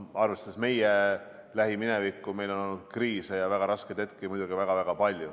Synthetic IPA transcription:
ɑrvest̪ɑsme̞je | læɦiminevikːˑume̞jlo̞nod̪̥̚kriːsejɑvæɡ̥ɑɾɑsked̪̥et̪̚kimujd̪uɡ̥ivæɡ̥ɑvæɡ̥ɑpɑlʲju

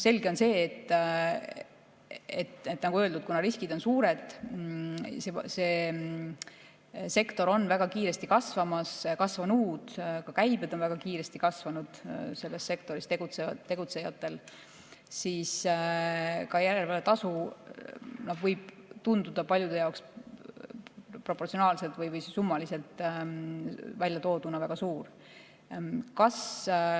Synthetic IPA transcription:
se̞lɡe̞o̞nse̞ːt̪ː | et̪et̪ːˑnɑɡ̥uøld̪ud̪̚kunɑɾiskid̪̥o̞nsuːɾe̞d̪̥ | sese̞ː | se̞kt̪o̞ɾo̞nːvæɡ̥ɑkiːɾest̪ikɑsvɑmɑskɑsvɑnuːd̪̥kɑkæjbed̪̥o̞nvæɡ̥ɑkiːɾe̞st̪ikɑsvɑnud̪̥se̞lːesːe̞kt̪o̞ɾist̪eɡ̥ut̪set̪ːe̞ɡ̥ut̪se̞jɑt̪ːˑe̞l | siːs | kɑjæɾe̞lvɑlet̪ɑsu | nɑd̪̥vɯjb̥̚ | t̪und̪ud̪ɑpɑlʲjud̪̥e̞jɑwks | pro̞pːˑort̪sionɑːlse̞lt̪vɯjvɯjssumːɑlise̞lt̪ˑ | vælʲjɑt̪o̞ːd̪̥unɑvæɡ̥ɑsuːr | kɑs

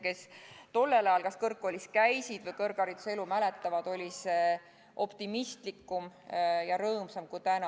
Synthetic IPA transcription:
ke̞st̪o̞lːelɑjɑlkɑskɤrkːˑo̞lʲiskæjsid̪̥vɤjkɤrɡ̥ɑɾit̪selumælet̪ːˑɑvɑd̪̥o̞lʲise | ʔo̞pt̪imist̪likːˑumjɑɾɤːmsɑmkujt̪ænɑ

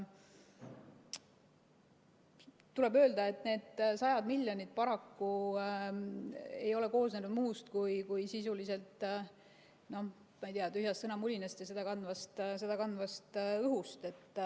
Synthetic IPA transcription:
t̪ule̞bøːld̪ɑe̞t̪ːˑne̞ːd̪̥sɑjɑd̪milʲjonid̪̥̚pɑɾɑkːu | e̞jo̞le̞ko̞ːsnenud̪muːst̪kujkujsisulise̞lt̪ˑ | no̞h | mɑjt̪iɑt̪yɦjɑst̪sɤnɑmulʲinest̪jɑse̞d̪̥ɑkɑnd̪vɑst̪se̞d̪ɑkɑnd̪vɑst̪ɯɦust̪e̞t̪ː

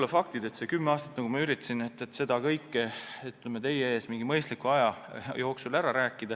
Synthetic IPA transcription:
lefɑk̚t̪id̪̥e̞t̪sekymːeɑːst̪ɑ̥t̪nɑkɡumɑyɾit̪ːˑɑsinet̪ːˑet̪ːse̞d̪̥ɑkɤjkːeet̪ːˑlemet̪e̞jee̞ːsmiŋɡ̥imɤjst̪likuɑjɑjo̞ːksulæɾɑɾæːkːˑid̪̥ɑ

